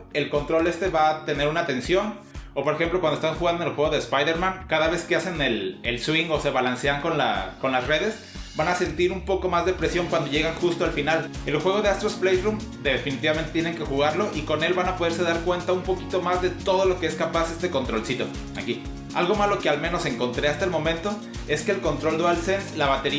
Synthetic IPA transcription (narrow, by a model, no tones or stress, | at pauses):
e̞lko̞nt̪ɾo̞le̞st̪eβat̪e̞ne̞ɾunat̪e̞nsjo̞n | opo̞ɾexe̞mplokwand̪ost̪aŋxuɣand̪onelxwe̞ɣoðespajðe̞ɾmãŋkaðaβe̞skease̞nelelswiŋɡo̞se̞βalanse̞aŋko̞nla̰ko̞nlasre̞ðe̞s | banase̞nt̪iɾumpo̞ko̞mazðe̞pɾesjo̞ŋkwand̪o̞ʝe̞ɣaŋxust̪oalfinal | elxwe̞ɣo̞zðe̞ast̪ɾosplejrum | d̪efinit̪iβament̪et̪jene̞ŋke̞xuɣaɾlo̞ʔiko̞ne̞lβanapo̞ð̞e̞ɾse̞ðaɾkwe̞nt̪aumpo̞kit̪o̞mazðe̞t̪o̞ð̞o̞lo̞ke̞eskapase̞st̪e̞ko̞nt̪ɾo̞lsit̪o̞ | a̰ki | a̰lɣo̞malo̞kealmẽno̞se̞ŋko̞nt̪ɾeast̪aelmõ̞mẽnt̪o | e̞skeːlko̞nt̪ɾo̞ld̪oalsenslaβat̪e̞ɾi